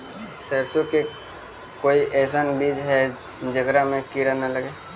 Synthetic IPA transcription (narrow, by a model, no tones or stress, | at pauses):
səːɾsoke | koːiʔɛːsanbiːd͡ʒɦɛ | d͡ʒəɡɾamẽkiɽanaləɡeː